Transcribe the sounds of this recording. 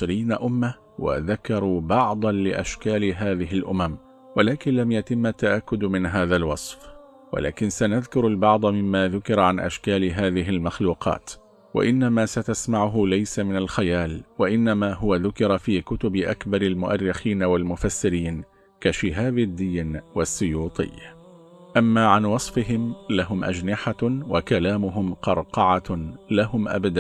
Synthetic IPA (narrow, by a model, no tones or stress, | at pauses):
ɾiːnaʔʊmːa | wa̰ðakɑɾˤuːbɑʕd̪ˤɑnlɪʔaʃkaːlɪɦaːðɪɦɪlʔʊmam | walaːkɪnlamjat̪ɪmːat̪ːaʔakːʊd̪mɪnɦaːðalwɑsˤf | wa̰lʔa̰ːkɪnsanaðkʊɾalbɑʕd̪ˤmɪmːaːðʊkɪɾʕanʔa̰ʃkaːlɪɦaːðɪɦɪlmaxluːqʰɑ̰ːt̪ | wa̰ʔɪnːamaːsat̪asmaʕʊɦʊlajsamɪnalxajaːlwaʔɪnːamaːɦʊwaðʊkɪɾˤɑfiːkʊt̪ʊbɪʔakbɑɾˤalmʊʔa̰rːɪxiːnawalmʊfasːɪɾiːn | kaʃɪɦaːbɪd̪ːiːnwasːʊjuːt̪ˤɨ̰jː | ʔamːaːʕanwɑsˤfɪɦɪmlaɦʊmʔad͡ʒnɪħawakalaːmʊɦʊmqɑɾˤqɑʕalaɦʊmʔa̰bd̪a